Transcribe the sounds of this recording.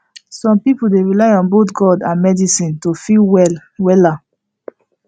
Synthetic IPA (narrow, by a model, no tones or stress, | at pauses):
sɔ̃mpipoldeɹilaɪɔ̃nbotɡɔdãnmɛdisĩntofilwɛlwɛla